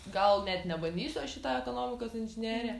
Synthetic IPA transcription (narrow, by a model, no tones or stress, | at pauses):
ɡɐlˠnʲɛt̪nʲɛbɐnʲd̪ʲiːsʲɐʃʲɪt̪ɑːɛkoːnoːmʲɪkoːsɪnʲʒʲɪnʲiɛɾʲɛː